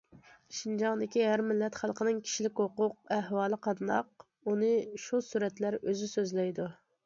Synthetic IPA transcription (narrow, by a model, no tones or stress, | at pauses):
ʃind͡ʒɑŋd̪ɪkʲihæɾmɪlːɛt̪χælˠqənɪŋkʲʰi̥ʃilɪkʲhoqʊq̚ɛhwɑːlˠəqʰɑd̪nɑ̰q̚ | unɨʃusuɾɛt̪læɾøzysøzlɛjd̪u